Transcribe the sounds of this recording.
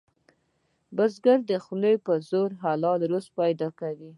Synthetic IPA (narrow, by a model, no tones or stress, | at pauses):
bəzɡaɾd̪əxləjpəzoɾɦalɑlɾospɑjd̪ɑkawi